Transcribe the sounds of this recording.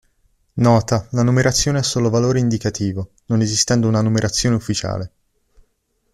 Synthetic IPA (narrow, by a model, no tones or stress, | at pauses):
nɔːt̪alanumeɾʔat̪sːjoːneɛsːoːlovaloːɾeind̪ikat̪ʰiːvo | nonezist̪ɛnd̪ounanumeɾʔat̪sːjoːneufːit͡ʃa̰ːle